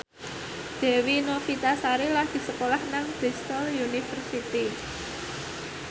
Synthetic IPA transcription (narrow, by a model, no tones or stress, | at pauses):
d̪̥e̤winofit̪asaɾilahd̪̥i̤səkolahnaŋd̪̥ɛ̤st̪ɔljunifərsit̪i